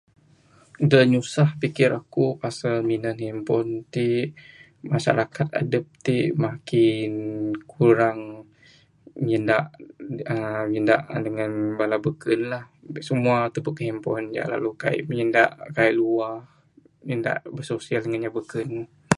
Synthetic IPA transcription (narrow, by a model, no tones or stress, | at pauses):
dəɲusahpikɪɾakupasalminənɦimpɔnt̪iʔ | maʃa̰ɾakat̪̚a̰dəp̚t̪iʔmakɪnkʰuɾaŋ | ɲəndaʔəmənda̰ʔdəŋanbalabəkənlah | səmuat̪əbəʔkəɦimpɔnd͡ʒa̰ʔla̰luka̰ḭʔmɲənda̰ʔkaiʔluah | ənda̰ʔbəsosialdəŋanɲabəkən